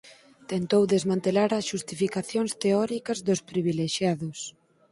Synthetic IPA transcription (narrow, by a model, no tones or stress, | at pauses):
t̪ent̪owðezmãnt̪elaɾɐsʃust̪ifikaθjoŋst̪eɔɾikɐzðʊspɾiβileʃjaðʊs